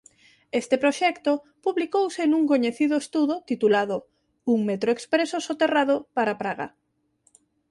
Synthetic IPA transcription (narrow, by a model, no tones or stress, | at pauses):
est̪epɾoʃɛkt̪o | puβlikowsenũŋkoɲeθiðʊest̪uðot̪it̪ulaðʊ | uŋmet̪ɾoekspɾesosot̪eraðopaɾapɾaɣa̰